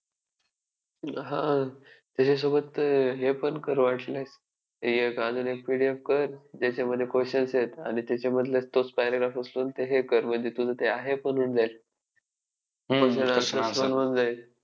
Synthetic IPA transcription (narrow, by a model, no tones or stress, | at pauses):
ɦã | t̪at͡ɕes̬obət̪ɦepəɳkəɾʋaʈles | jekad͡zunek̚piɽiefkəɾd͡ʑat͡ɕeməd̪ʱːjekoɕənset̪a̰ɽ̃it̪jat͡ɕaməd̪ʱlest̪ot͡spajɾaɡɾafəsloːnt̪eɦekəɾməɳd͡zʱet̪ud͡zʱət̪eaɦepənuːnd͡zajl | koɕənasəənʋənd͡zajt̪̚